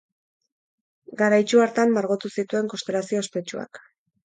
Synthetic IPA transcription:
ɡaɾajt͡ʃuaɾt̪amːaɾɣot̪usit̪ue̞ŋko̞st̪e̞lasio̞espe̞t͡ʃua̰k

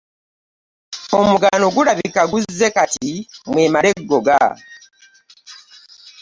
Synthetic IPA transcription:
o̞muɡanoɡuɾaβikaɡuzːe̞katimweːmaɾe̞ɡːo̞ɡa̰

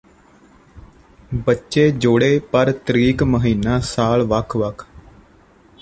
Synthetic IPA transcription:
bətːʃeːd͡ʒoːɽeːpəɾt̪ɾiːkməɦiːnaːsaːlʋəkʰʋəkʰ

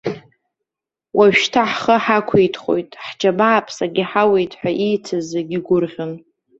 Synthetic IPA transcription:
wʔaʒᶣʃtʰaħχəħakʷʰejtʰχo̞̰jtʼħd͡ʒʰabaːpʰsaɡʲɪħawejtʼħʷᶣaʔijt͡sʰɨzeɡʲiɡʷʊrʁʲʊn

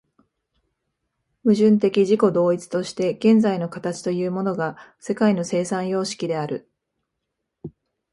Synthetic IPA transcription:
mɯ̟ʑɨ̃nt̪̬e̞kʲiʑiko̞d̪o̞ːit͡sɨ̥t̪o̞ɕi̥t̪e̞ɡ̥ẽ̞nd͡zaino̞kat̪at͡ɕi̥t̪o̞jɯ̟ːmo̞no̞ɡase̞kaino̞se̞ːsãɰ̃jo̞ːɕi̥kʲid̪e̞aɾɯ̟̰

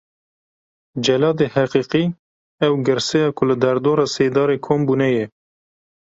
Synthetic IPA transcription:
d͡ʒɛlɑːd̪eːhæqiːqiː | ɛwɡɨɾsɛjɑːkʰʊlɨd̪ɛɾd̪oːɾɑːseːd̪ɑːɾeːkʰoːmbuːnɛjɛ

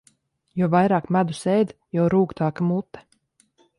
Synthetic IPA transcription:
jɔɔvajɾaːkmad̪usɛjd̪ | jɔwɾuːkt̪aːkamut̪ːɛ̥

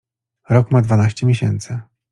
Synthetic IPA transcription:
ɾɔkmad̪vanaɕt͡ɕɛmʲjeɕɛnt̪sɘ

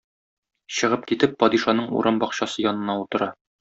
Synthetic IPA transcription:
ɕɤ̆ʁɤp̚kit̪ɘpːɒd̪iʃɑnɤɴṵɾʔɑmbɒqɕɑsɤjɒnɤ̆nɑut̪ɤ̆ɾɑ

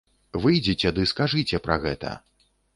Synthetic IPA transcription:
vɨjd͡zʲit͡sʲɛd̪ɨskaʐɨt͡sʲɛpɾɐ̰ɣɛt̪ɐ̰

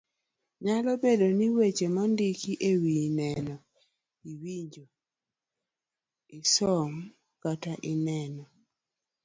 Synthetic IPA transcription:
ɲalɔbedoniwet͡ʃemɔndikiʔewinɛnɔ | iwiɲd͡ʒo | isɔm | kataʔinɛnɔ

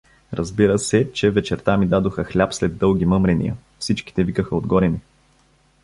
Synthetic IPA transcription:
ɾəzbiɾəsɛt͡ʃɛvɛt͡ʃɛɾt̪amid̪ad̪oxəxlʲapslɛd̪ːɤlˠɡ̟ʲimɤmɾɛnḭjə̰ | fsit͡ʃki̥t̪ɛvikəxəod̪ɡɔɾɛni

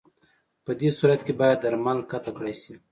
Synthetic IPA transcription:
pəd̪esuɾat̪kebɑjad̪ːaɾmalkat̪akɽajsi

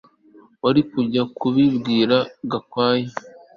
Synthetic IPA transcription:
waɾikuɾɟakʰuβibɡiːɾaɡakwaːje

